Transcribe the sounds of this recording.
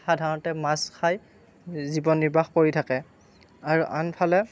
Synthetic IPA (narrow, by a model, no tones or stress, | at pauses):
xadʱaɹɔntɛmaskʰaj | zibɔnːiɹbʱaxkoɹitʰakɛ | aɹuʔanpʰalɛ